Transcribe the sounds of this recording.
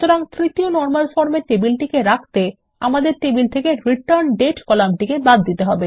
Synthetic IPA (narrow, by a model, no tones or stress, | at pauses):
t̪oɾaŋt̪ɾit̪ionɔɾmalfɔɾmeʈebilʈikeɾakʰt̪e | amad̪eɾʈebilt̪ʰekeɾiʈaɾnɖeʈkɔlamʈikebad̪ːit̪eɦɔbe